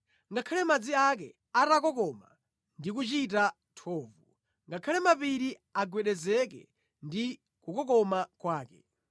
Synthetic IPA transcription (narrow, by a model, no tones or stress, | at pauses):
ŋɡakʰalɛmad͡ziak̬ɛ | atakɔkɔma̰ | ndik̬ut͡ʃita | tʰɔːvu | ŋɡakʰalɛmapiɾi | aɡwɛɗɛzɛkɛ̰ | ndi | kukɔkɔmakwaːkɛ̰